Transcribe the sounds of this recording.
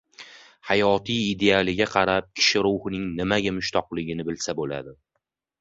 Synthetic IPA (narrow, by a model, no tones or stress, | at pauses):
hajɒt̪ʰijːd̪e̞alˠɪɡʲaqʰɑɾap̚kʲʰɪ̥ʃɪɾʊwhɪnɪŋnɪmaɡʲamʊʃt̪ʰɒqlˠɪɡʲɪnɪbɪlsabola̰d̪ɪ